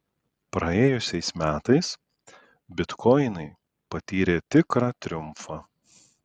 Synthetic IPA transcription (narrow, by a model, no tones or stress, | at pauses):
pɾɐeːjʊsʲɛɪsmʲæːt̪ɐɪs | bʲɪt̪kʰɔɪnɐɪ | pɐt̪ʲiːɾʲeːt̪ʲɪkɾɑːt̪ʲɾʲʊmfɑː